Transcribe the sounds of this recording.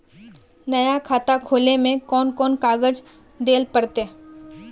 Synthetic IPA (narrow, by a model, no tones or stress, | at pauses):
nɐjakʰaːt̪akʰoːlemẽkɔːnkɔːnkaːɡəd͡ʒ | d̪eːlpəɾt̪e